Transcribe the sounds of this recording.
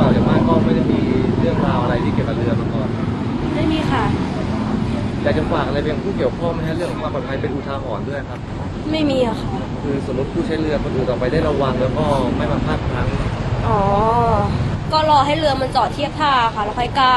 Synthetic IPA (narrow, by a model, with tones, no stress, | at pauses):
aː˨˩t͡ɕa˨˩maː˥˩kɔː˥˩ma˥˩da˥˩jmiː˧ɾɯ˥˩əŋɾaː˧wʔa˧ɾa˧jt̪ʰiː˥˩ki˨˩əwka˨˩ɾɯ˧ɐma˧˩kɔː˨˩nkʰa˦˥ | ma˥˩jmiː˧xʰa˧˥˩ | jaː˨˩kt͡ɕa˨˩faː˨˩k̚ʔa˧ɾa˧jpe˧jpʰuː˥˩ki˨˩əwkʰɔː˥˩ŋma˥˩a˥˩ɾɯ˥˩əŋkʰːɔː˨˦ŋwa˧pɔː˨˩t̚pʰa˧jpe˧nʔuː˧t̪ʰaː˧ɦɔː˩˦ndu˥˩əjkʰa˦˥p̚ | ma˥˩jmiː˧la˨˩kʰa˦˩ | kʰɯː˧so˩˦mːu˦˥t̪̚ʰuː˥˩t͡ɕʰa˦˥jɾɯ˧ɐkʰɔ˧nʔuː˨˩t̪ɔː˨˩pa˧jdaː˥˩ɾa˧wa˧ŋlɛː˦˥wkɔː˥˩ma˥˩jmaː˧pʰaː˥˩pʰa˨˩˦ŋʔɔː˨˩˦ | kɔː˥˩lɔː˧ɦa˥˩jlɯ˧ɐma˧nt͡ɕɔː˨˩t̪ʰi˥˩əp̚t̪ʰaː˥˩a˧˩kʰa˥˩lɛː˦˥wkʰɔ˧˩jkaː˥˩